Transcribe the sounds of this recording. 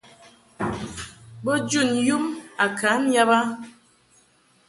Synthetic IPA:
bɔ˦d͡ʒu˦˨nju˦ma˨kʰa˨˦n̩˦ja˦ba˦

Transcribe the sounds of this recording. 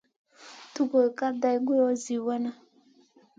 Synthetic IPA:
tu˦ko˨ka˦da˦jɡu˦ɔ˦zi˨wɛ˦na˦

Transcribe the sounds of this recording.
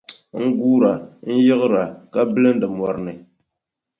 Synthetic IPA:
ŋ̩˦ɡuː˦ɾa˨n̩˦jɪ˦ɣɨ˦ɾa˨ka˦bɨ˦lɨ˦n̩˦dɨ˨mwɔ˨ɾɨ˨nɨ˨

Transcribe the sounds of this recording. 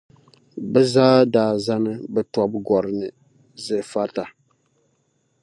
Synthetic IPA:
bɛ˦zaː˦daː˨za˦nɨ˦bɛ˦tɔ˦bɡɔ˨ɾɨ˨nɨ˨ | zɛ˨fa˦ta˨

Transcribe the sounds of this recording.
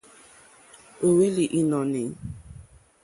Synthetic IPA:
o˨we˦li˨ʔi˦nɔ˨ni˨

